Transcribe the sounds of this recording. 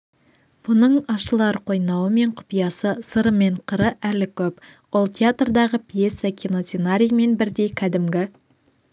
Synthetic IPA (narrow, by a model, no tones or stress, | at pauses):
b̥ʊnəɴɑʃəlˠɑɾqʰo̞jnɑwəme̞ɴqʰʊ̥pijɑsəsəɾəme̞ɴqʰəɾəʔælɪkʲʰɵp | wolˠt̪ʲʰeat̪rd̪ɑʁəpʰijesːɑkʰʲinot̪senaɾʲijme̞nbɪɾd̪e̞jkʲʰæd̪ɪmɡʲɪ